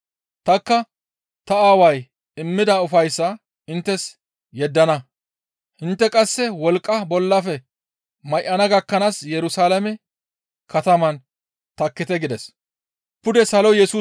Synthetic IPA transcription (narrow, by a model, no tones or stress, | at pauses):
t̪ɐkːɐ | t̪ɐaːwɐj | ɪmːɪd̪ɐʊfɐjsːɐ | ɪnt̪ːɛs | jɛd̪ːɐnɐ | hɪnt̪ːɛkʼɐsːɛwɔlkʼːɐbɔlːɐfɛ | mɐjʔɐnɐɡɐkːɐnaːsjɛɾʊsaːlɐmɛ | kɐt̪ɐmɐn | t̪ɐkːɪt̪ɛɡɪd̪ɛs | pʊd̪ɛsɐlɔjɛsuː